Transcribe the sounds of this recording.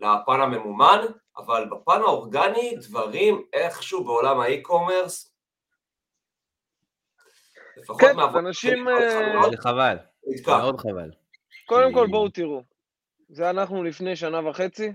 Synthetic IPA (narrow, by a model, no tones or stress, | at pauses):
leapaname̞muman | ʔa̰valbapanaoʁɡanid̪vaʁimeχʃubeolamaikome̞ʁs | lefaχkoenmeaanaʃimleχaval | id̪kaod̪χava̰l | ko̞d̪e̞mko̞lbowt̪iʁu | zeanaχnulifne̞jʃ̬anavaχe̞t͡si